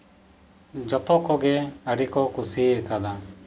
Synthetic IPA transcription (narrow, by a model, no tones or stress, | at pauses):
d͡ʒɔt̪ɔkɔɡɛəɽikɔkusiɛkad̪a